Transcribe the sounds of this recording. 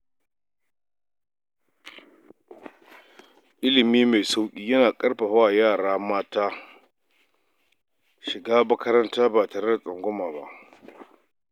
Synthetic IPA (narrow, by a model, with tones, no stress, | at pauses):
ʔɪ˦lɪ˨miː˦ma˨jsa˦wkʲʼiː˦jɐ˦naː˨kʼɐ˦rɸa˨ɸaː˦˨jaː˦˨ɽaː˦maː˦taː˦ | ʃɪ˨ɡaː˦mɐ˦kɐ˦ɾɐ˦ntaː˦baː˨taː˨ɾe˦da˨sʼɐ˨ŋɡʷʊ˦maː˨ba̰˦ʔ